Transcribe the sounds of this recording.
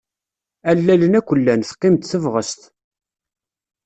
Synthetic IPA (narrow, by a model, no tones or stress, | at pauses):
ælːælənækʷːəlːænθqːɪmt̪θəvʁəst̪